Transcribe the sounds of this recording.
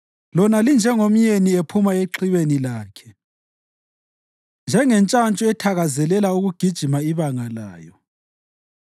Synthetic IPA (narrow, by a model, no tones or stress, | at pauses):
lɔnalind͡ʒʱɛŋom̩ɲeniepʰumaeǁʰiβenilaːkʰɛ̥ | nd͡ʒʱɛŋɛnt͡ʃʼant͡ʃʼuɛtʰaɣazɛlɛlauɣuɡ̥ʱid̥ʒ̥ʱimaiβaŋala̰ːjɔ